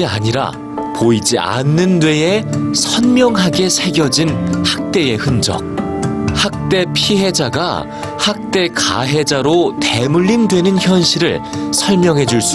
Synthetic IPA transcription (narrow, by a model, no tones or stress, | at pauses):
ia̰ɲiɾa̰ | poid͡ʑia̰nːɯndwe̞esʰʌnmjʌŋɦaɡe̞sʰe̞ɡjʌd͡ʑinhak̚t͈e̞e̞hɯnd͡ʑʌ̰k̚hak̚t͈e̞pʰiɦe̞d͡ʑaɡa̰ | hak̚t͈e̞ka̰ɦe̞d͡ʑaɾote̞muʎːindwe̞nɯnçjʌnɕʰiɾɯɭsʰʌɭmjʌŋɦe̞d͡ʑuɭs͈u